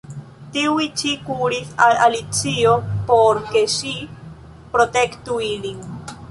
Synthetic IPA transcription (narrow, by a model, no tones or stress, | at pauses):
t̪iwit͡ʃikuɾisaalit͡siopoɾkeʃi | pɾot̪ekt̪uiɾiŋ